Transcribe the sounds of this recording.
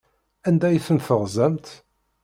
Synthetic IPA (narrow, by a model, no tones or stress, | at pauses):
ænd̪æjθənθəʁzæmt̪